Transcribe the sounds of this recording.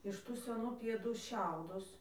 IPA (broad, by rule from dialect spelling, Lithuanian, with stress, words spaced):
ɪʃ ˈtuː sʲɛˈnuː pʲiɛˈduː ˈʃʲɛʊdʊs